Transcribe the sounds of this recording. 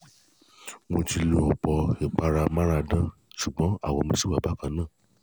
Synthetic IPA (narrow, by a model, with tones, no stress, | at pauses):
mo˧ti˧lo˧ɔ˨k͡pɔ˧e˨k͡pa˧ɾa˧mã˦ɾa˧dã˦ʃu˨ɡ͡bɔ̃˨˦a̰˦˨wɔ˧mõ˧si˦wa˦˨ba˨˦kã˧˦nãː˦˨